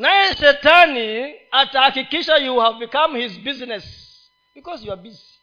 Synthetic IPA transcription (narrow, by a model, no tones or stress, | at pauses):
najɛʃɛtaniatakikiʃajuhavbikãmhizbiznɛs | b̥ikɔzjuabizi